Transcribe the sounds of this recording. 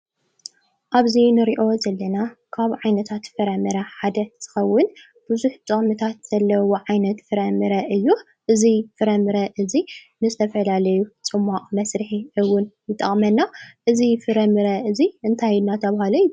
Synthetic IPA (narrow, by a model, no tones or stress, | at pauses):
ʔaβzinɨɾiʔo̞zɐlːɐnakʰaβʕajnɐt̪ʰat̪fɨɾɐmɨɾɐħad̪ɐz̥ɨ̥xɐwːʊn | b̥ɨzuħt̪ʼɨχʼmɨt̪ʰat̪z̥ɐlːɐwoʕajnɐt̪fɨɾɐmɨɾɐʔɨjːu | ʔɨzifɨɾɐmɨɾɐʔɨzi | nɨzɨt̪ʰɐfɐlalɐjut͡sʼɨmːaqʼmɐsɾɨħiɨwʊnjɨt̪ʼɐ̰χʼmɐnːaʔɨzifɨɾɐmɨɾɐʔɨziʔɨnt̪ʰajnːat̪ʰɐβahaloj